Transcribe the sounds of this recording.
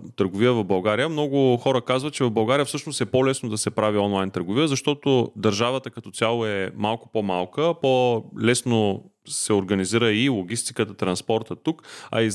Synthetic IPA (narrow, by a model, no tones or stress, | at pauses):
t̪əɾɡovijəvɐvbɐlˠɡaɾijəmnɔɡʊxɔɾəkazvɐt̪̚t͡ʃɛvɐvbɐlˠɡaɾijəfsɤʃnost̪ɛpolɛsnod̪ɐsɛpɾaviɔnlˠajnt̪əɾɡʊvijəzɐʃt̪ɔt̪od̪ɐɾʒavət̪əkɐt̪ɔt̪ʲalˠoɛmalˠkʊ̥pomalˠkəpolɛsnosɛoɾɡɐniziɾəilˠoɡ̟ʲist̪i̥kət̪ət̪ɾɐnspɔɾt̪ət̪ukɐ̰i